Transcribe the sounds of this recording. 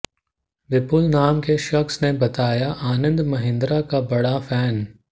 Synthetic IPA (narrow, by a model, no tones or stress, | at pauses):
ʋɪpʊlnaːmkeʃɐxsnebɐt̪aːjaʔaːnə̃nd̪mɐɦɪ̃nd̪ɾakabɐɽafɛːn